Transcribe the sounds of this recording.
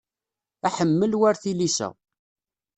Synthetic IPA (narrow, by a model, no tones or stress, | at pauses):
æħəmːəlwaɾθilisæ̰